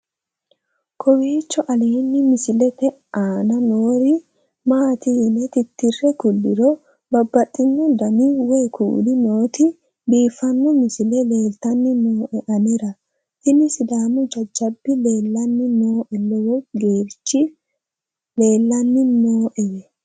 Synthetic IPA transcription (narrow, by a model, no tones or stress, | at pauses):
kʰɔwiːt͡ʃːɔʔɐleːnːɪmɪsɪlɛt̪ɛ | ʔaːnɐnoːɾɪ | maːt̪inɛt̪ɪt̪ːɪrːɛkʊlːɪɾɔ | bɐbːɐt̪ʼːɪnːʊd̪ɐnɪwɛːkʰṵːd̪ɪnoːt̪ɪ | biːfːɐnːɔmɪsɪlɛleːlt̪ɐnːɪnoːʔɛʔɐnɛɾɐ | t̪ɪnɪsɪd̪aːnʊd͡ʒɐd͡ʒːɐbːɪleːlːɐnːɪnoːʔɛlːɔwɔɡeːɾt͡ʃːɪ | le̞ːlːɐnːɪnoːʔɛjɛ